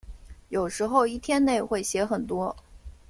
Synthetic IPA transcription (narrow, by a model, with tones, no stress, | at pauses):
jo˨˩ʊʂɻ̩˧˥xo˥˧ʊi˥˩t̪ʰjɛ˥nne˥˩˧ɪxwe˥˩ɪɕjɛ˧˥xə˨˩nt̪wɔ˥